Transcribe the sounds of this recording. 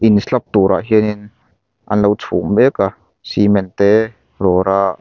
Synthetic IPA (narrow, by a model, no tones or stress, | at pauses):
ʔinslap̚t̪uɾʔa̰ʔɦiənin | ʔɐ̰nlɐwt͡sʰuŋbɛka | simɛnt̪ɛ | rɔɾaʔ